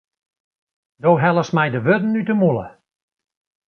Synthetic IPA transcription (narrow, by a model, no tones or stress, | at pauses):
doːɦɛlˠəsmɛjdəʋødn̩ːytəmulˠə̰